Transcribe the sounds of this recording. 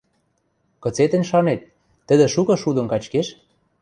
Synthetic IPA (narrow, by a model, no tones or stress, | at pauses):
kɤ̆t͡set̪ə̆nʲʃɑnet̪̚ː | ə̆d̪ĕʃukɤ̆ʃud̪ə̆nkɑt͡ɕkeʃ